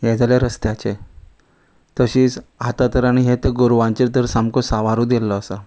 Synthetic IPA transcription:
ɦɛ̃d͡zaljaɾəst̪jat͡ɕe | t̪əɕiːt͡sat̪at̪əɾaɽ̃iɦet̪əɡoɾʋãɲt͡ɕeɾt̪əɾsamkosaʋaɾud̪elːɔasa

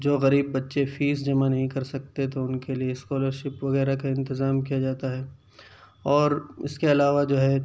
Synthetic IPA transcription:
d͡ʒoːɣɐɾiːbːɐtːʃefiːzd͡ʒɐmanɐɦĩkɐɾsɐk̚t̪et̪oʊnkelieskɔːləɾʃɪpʋɐɣɛːɾakaɪ̃nt̪ɪzaːmkijad͡ʒaːt̪aɦɛː | ɔːɾɪ̰skeɐlaːʋad͡ʒoːɦɛ

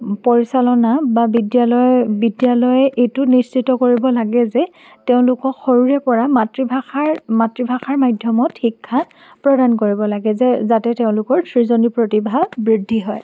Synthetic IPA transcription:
poɹisalɔnababidjalɔjbidjalɔjɛʔejtʊnist͡ʃitɔkoɹibɔlaɡɛzɛ | teʊ̃lʊkɔkxoɹuɹɛpɔɹamatɹibʱaxaɹmatɹibʱaxaɹmajdʱjɔmɔtxikʰːa | pɹɔdankoɹibɔlaɡɛzɛzatɛteʊ̃lʊkɔɹtʰɹizonipɹotibʱabɹidʱːiɦɔj

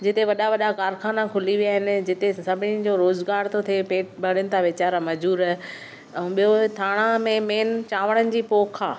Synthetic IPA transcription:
d͡ʑɪt̪eʋɐɗaʋɐɗakaːɾxaːnakʰʊliʋijaːɦɪnɪ̆d͡ʑɪt̪esɐbʱɪnĩd͡ʑoɾoːzɡaːɾt̪ʰot̪ʰepeːʈbɐɽ̤ɪnɪ̆t̪ʰaʋɪt͡ɕaːɾamɐd͡ʑuːɾə | ɛ̃ɓijot̪ʰaːɽ̃ãmẽmeːnt͡ɕaːʋəɽ̃ənɪ̆d͡ʑiːpoːkʰaː

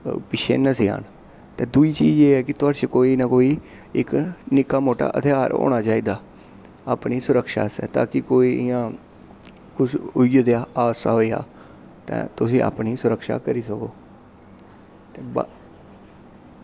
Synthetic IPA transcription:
pɪʃʰḛːnəsia̰ːn | t̪ẽːd̪uːiːt͡ʃiːd͡ʒeːɦɛːkɪt̪ʊaːɽt͡ʃekoːiːnãːkoːiː | ɪknɪkaːmoːʈa̰ːʔə̰t̪ʰeːaːɾo̰ːɽ̃aːt͡ʃaːiːd̪aː | aːpniːsʊɾəkʃa̰ːsɛ̰ːt̪a̰ːkɪkoːiɪjãː | kʊsʊd̪eaːaːsa̰ɦoːea̰ː | t̪ɛ̰̃ːt̪ʊs̬ĩːa̰ːpniːsʊɾəkʃa̰ːkəɾiːsəkoː | t̪eːba

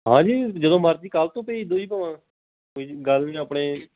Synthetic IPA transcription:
ɦãːd͡ʒiːd͡ʒəd̪õːməɾt̪iːkaːlt̪õːpeiːɪd̪õːiːpəʋãː | oiɡəlmẽːəpɳeː

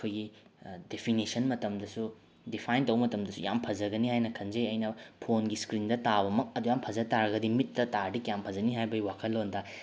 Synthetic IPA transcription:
kʰojɡidepʰinisɐnmɐtɐmdɐsu | dipʰajntɐwmɐtɐmdɐsuja̰mpʰɐzɐɡɐnihajnɐkʰɐnzejɐjnɐpʰonɡiskɾindɐtaβɐmɐk̚ɐdujampʰɐzɐtaɾɐɡɐdimitːɐtadikjampʰɐzɐniɦajbɐwakʰɐlːondɐ

